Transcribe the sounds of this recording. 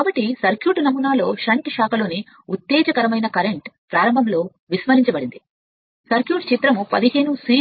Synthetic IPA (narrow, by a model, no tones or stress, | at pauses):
kaːbɐʈːisɐɾkjuːʈnɐmunaːlo̞ːʃɐɳʈʂaːkɐlo̞ːni | ut̪ːɛːd͡ʒɐkɐɾɐmɐjnɐkɐɾeɳʈpɾaːɾɐmbʱɐmlo̞ː | ʋismɐɾiɲt͡ʃɐbɐɽind̪i | sɐɾkjuːʈt͡ʃit̪ɾɐmupɐd̪iɦe̞ːnusiː